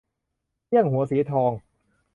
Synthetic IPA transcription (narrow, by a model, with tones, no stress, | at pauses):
i˥˩əŋɦu˩˦ɐsiː˩˦t̪ʰɔː˧ŋ